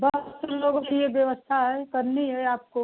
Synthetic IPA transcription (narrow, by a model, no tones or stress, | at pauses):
bɐɦət̪səloːɡõkejeʋjɐʋəst̪ʰaɦɛkɐɾniɦɛaːp̚ko